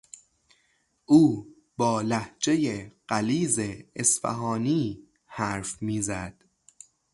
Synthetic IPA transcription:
ʔuː | bɒːlæhd͡ʒe̞jeɢ̥æliːzeːsfæ̰ɦɒːniː | hæːɾfmiːzæd̪̥

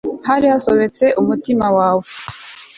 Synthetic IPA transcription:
haɾihaso̞βe̞t͡se̞ʔumutimawaːwo

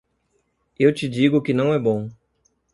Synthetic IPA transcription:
ewt͡ʃɪd͡ʒiɡʊkɪnɐ̃w̃ɛbõ

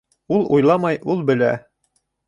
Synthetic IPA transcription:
ulˠujlˠɑmɑjulˠbɘ̆læ̰

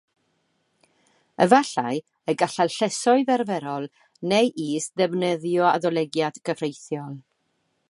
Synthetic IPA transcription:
ə̰vaɬaj | əɡaɬalɬɛsɔɨðɛrvɛɾɔlˠ | nejʔiːsdɛvnəðjɔaðɔlˠɛɡjad̥ɡəvrejθjɔlˠ

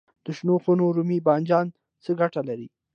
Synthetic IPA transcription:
d̪̥əʃnoxunoɾumibɑnd͡ʒɑn | t͡səɡaʈalaɾi

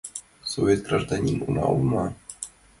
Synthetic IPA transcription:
sovʲet̪ɡraʐd̪anʲinunɑ̰ṵlˠmɑ

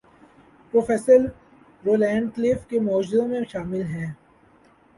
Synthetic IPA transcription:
poːfɛːsəɾ | ɾoːlɛ̃ːɳɖkleːfkemɔːd͡ʒɪzõmẽʃaːmɪlɦɛ̃ː

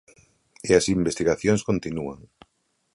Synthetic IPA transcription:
eɐsimbest̪iɣaθjoŋskont̪inuaŋ

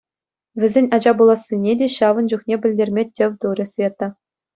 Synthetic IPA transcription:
ʋʲɘ̆zʲenʲɑd͡ʑɑbulˠɑsʲːinʲedʲeɕɑʋɤ̆nd͡ʑuχnʲebʲɘ̆lʲdʲerʲmʲetʲːɘ̆ʋʲt̪uɾʲɘ̆sʲvʲet̪ːɤ̆

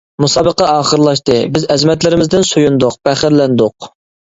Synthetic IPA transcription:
musɑːbəqɑɑːχəɾlˠɑʃt̪ɨbɪzɛzmɛt̪lɪɾɪmɪzd̪ɪnsojund̪ʊq̚b̥æχɪɾlɛnd̪ʊq

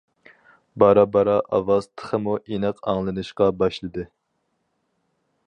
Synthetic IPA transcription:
bɑɾɑbɑɾɑʔɑ̰wɑz̥t̪ʰə̥χʰəmuʔenɨqʰɑŋlˠɨnɨʃqɑbɑʃlˠɨd̪ɨ

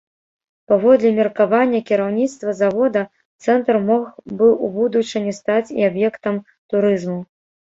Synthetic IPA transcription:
pavɔd̪lʲɛmʲirkavanʲːɐkʲiɾawnʲit̪st̪vɐzavɔd̪ɐ | t̪sɛnt̪rmɔxbɨubud̪ut͡ʂɨnʲɛst̪at͡sʲḭabjɛkt̪ɐm | t̪uɾɨzmu

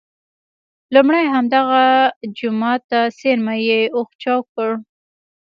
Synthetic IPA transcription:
lumɽajɦamd̪aɣad͡ʒʊmɑt̪ːaseɾmajeoxt͡ʃɑwkəɽ

